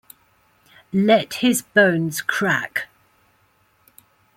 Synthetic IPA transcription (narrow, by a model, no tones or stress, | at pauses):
lɛthɪzbə̃ʊ̃nz̥kʰɹ̥ak